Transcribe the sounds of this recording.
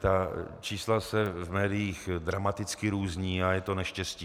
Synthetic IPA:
t̪at͡ʃiːslasɛvmɛːdɪjiːxdɾamat̪ɪt͡skɪɾuːzɲiːajɛt̪o̞nɛʃcɛsciː

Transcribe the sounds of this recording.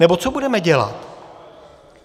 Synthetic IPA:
nɛbo̞t͡sobudɛmɛɟɛla̰t̪

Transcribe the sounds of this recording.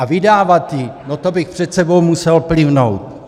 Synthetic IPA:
avɪdaːvat̪jɪnot̪o̞bɪxpr̝̥ɛt̪sɛbo̞wmusɛlplɪvnowt̪

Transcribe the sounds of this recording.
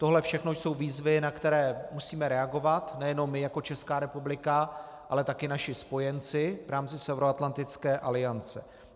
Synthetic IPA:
t̪o̞ɦlɛfʃɛxnoso̞wviːzvɪnakt̪ɛɾɛːmusiːmɛɾɛaɡo̞vat̪nɛjɛno̞mːɪjako̞t͡ʃɛskaːɾɛpublɪka | ʔalɛt̪akɪnaʃɪspo̞jɛnt͡sɪvɾaːmt͡sɪsɛvɾoat̪lant̪ɪt͡skɛːʔalɪant͡sɛ̰

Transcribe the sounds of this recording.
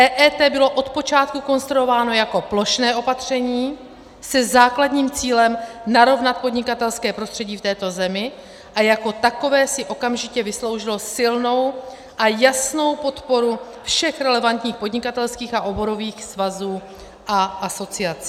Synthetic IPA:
ʔɛːʔɛːt̪ɛːbɪlo̞ʔo̞t̪po̞t͡ʃaːt̪̚kuko̞nst̪ɾuovaːno̞jako̞plo̞ʃnɛːʔo̞pat̪r̝̥ɛɲiː | sɛzaːklad̪ɲiːmt͡siːlɛmnaɾo̞vnat̪̚po̞dɲɪkat̪ɛlskɛːpɾo̞st̪r̥ɛɟiːft̪ɛːt̪o̞zɛmɪ | ʔajako̞t̪ako̞vɛːsɪʔo̞kamʒɪcɛvɪslo̞wʒɪlo̞sɪlno̞w | ʔajasno̞wpo̞t̪po̞ɾu | fʃɛxɾɛlɛvant̪ɲiːxpo̞dɲɪkat̪ɛlskiːxaʔo̞bo̞ɾo̞viːxsvazuː | ʔaʔaso̞t͡sɪat͡s

